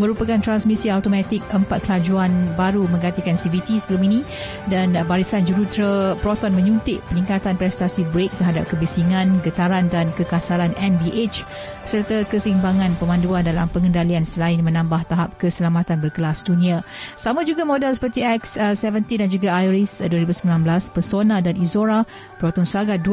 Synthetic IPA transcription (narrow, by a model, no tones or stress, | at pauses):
mə̃ɾupakant̪ɾansmisiat̪omat̪ɪk̚əmpat̪̚kəlad͡ʒuanbaɾumə̃ŋɡant̪ikansivit̪isəbəluminĩ | danbaɾisand͡ʒuɾut̪ɾəpɾɔt̪ɔnmə̃ɲunt̪ɪʔ̚pənĩŋkat̪anpɾɛst̪asibɾek̚t̪əɦada̰p̚kəbisiŋãnɡət̪aɾandankəkasaɾanʔɛnbiʔet͡ʃ | sərt̪akəsimbaŋãnpəmãnduandalampəŋəndaliansəlaɪnmə̃nãmbaht̪aɦap̚kəsəlamat̪anbərkəlasdunĩa | samãd͡ʒuɡamodɛlsə̥pərt̪iɛkssɛvənt̪idand͡ʒuɡaajɾisduaɾibusəmilanblaspəsonadanizoɾa | pɾot̪ɔnsaɡad